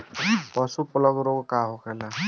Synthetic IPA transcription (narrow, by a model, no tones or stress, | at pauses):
pɔsupɔlɔɡɾoɡkaɦokʰɛla